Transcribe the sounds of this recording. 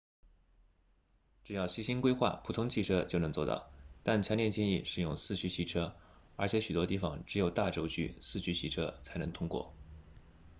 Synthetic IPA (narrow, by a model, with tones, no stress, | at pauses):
ʈ͡ʂɻ̩˨˩jɑ˥˩ʊɕi˥ɕi˥ŋkwe˥ɪxwa̰˥˩pʰu˨˩t̪ʰʊ˥ŋt͡ɕʰi˥˩ʈ͡ʂʰɤ˥t͡ɕjo˥˩ʊnɤ˧˥ŋt͡swɔ˥˧t̪ɑ̰˥˩ʊt̪a˥˩nt͡ɕʰjɑ˧˥nljɛ˥˧nt͡ɕjɛ˥˧ŋi˥˩ʂɻ̩˩jʊ˥˧ŋsɹ̩˥˩t͡ɕʰy˧˥t͡ɕʰi˧˥ʈ͡ʂʰɤ˥ | ə˞˧˥t͡ɕʰjɛ˧˥ɕy˨˩t̪wɔ˥t̪i˥˩fɑ̰˨˩ŋʈ͡ʂɻ̩˧˥jo˨˩ʊt̪a˥˩ʈ͡ʂo˥ʊt͡ɕy̰˥sɹ̩˥˩t͡ɕʰy˧˥t͡ɕʰi˧˥ʈ͡ʂʰɤ˥t͡sʰa˧˥ɪnɤ˧˥ŋt̪ʰʊ˥ŋkwɔ̰˥˩